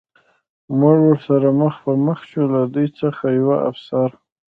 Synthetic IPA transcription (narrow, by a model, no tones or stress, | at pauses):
muʐwʊɾsaɾaməxpəməxʃulad̪ujt͡səxajawaʔa̰fsaɾ